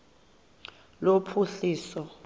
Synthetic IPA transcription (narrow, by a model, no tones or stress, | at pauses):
lopʰuɬiːsɔ